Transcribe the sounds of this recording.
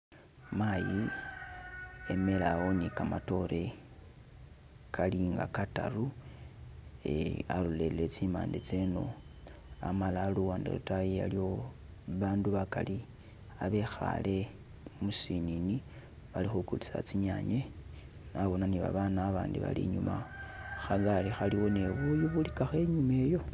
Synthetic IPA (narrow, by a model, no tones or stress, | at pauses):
maji | eme̞lawo̞nikamato̞ɾe̞ | kʰaliŋɡa̰kata̰ru | ḛalulellet͡sima̰ːndet͡seno̞̰ | amalaluwaːndḛlutajija̰lio̞ | βaːnduβakali | aβe̞xa̰lʔe̞ | musinini | βalixukulisa̰t͡siɲaɲe | naβo̞naniβa̰βanaːβaːndiβa̰lḭɲumaxaɡalixaliwo̞neβujuβulikaxe̞ɲume̞ːjo̞